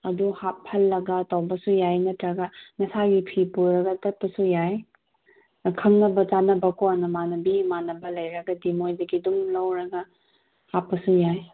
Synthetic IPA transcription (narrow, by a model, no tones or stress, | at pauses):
ɐduhap̚hɐlːɐɡɐtawbɐsujajnɐtɾɐɡɐnɐsaɡipʰipuɾɐɡɐtɐt̚pɐsujaj | kʰɐŋnɐbɐt͡ʃanɐbɐkʰoanɐmanɐbimanɐbɐlɐjɾɐɡɐdimojdɐɡidumlɐwɾɐɡɐ | hapːɐsujaj